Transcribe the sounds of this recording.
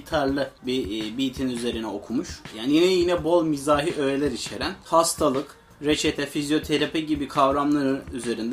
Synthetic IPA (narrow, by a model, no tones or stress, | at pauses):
t̪ʰaɾlˠɯbibiːt̪ʰinyze̞ɾinɛo̞kʰumuʃjaːnijinɛjinɛbo̞lˠmizaːɦiʔøjelʲɛɾit͡ʃʰe̞ɾænhast̪ʰalˠɯk | ɾet͡ʃʰet̪ʰɛfizjo̞t̪ʰe̞ɾapiɟibikʰavɾamlˠaɾɯyze̞ɾind̪